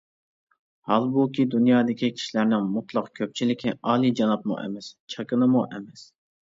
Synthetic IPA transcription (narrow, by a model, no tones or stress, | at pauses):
hɑlˠbukʲʰid̪unjɑːd̪ɪkʲʰikʲʰi̥ʃlæɾnɪŋmut̪lˠɑqkʲʰøp̚t͡ʃʰilɪkʲɪɑːlˠid͡ʒɑnɑp̪̚mṵʔɛ̰mɛst͡ʃʰɑkɨnɨmuʔɛmɛs